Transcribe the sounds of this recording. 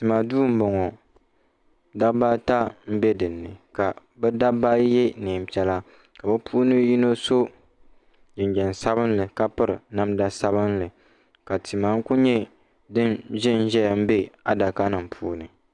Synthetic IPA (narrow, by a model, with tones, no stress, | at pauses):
ti˨ma˨duː˦m̩˦bɔ˨ŋɔ˨ | da˦ba˦ta˦m̩˦bɛ˦dɨ˨nːɨ˨ka˨ | bɛ˦da˦ba˦jɛ˦neː˨m̩˨pɛ˦la˦ | ka˨bɛ˦pʰuː˦nɨ˦ji˦no˦so˦ | d͡ʒɪ˨ɲd͡ʒɛ˨n˨sa˦bɨ˦n˦lɨ˨ka˦pɨ˦ɾɨ˨na˦mda˦sa˦bɨ˦nlɨ˨ | ka˨tʰi˨ma˨˦ŋ˦ku˦ɲɛ˦ | dɨ˦nʒɪ˦n˦ʒɛ˦jm̩˦be˦a˦da˨ka˦nɨ˨m̩˨pʰuː˦nɨ˨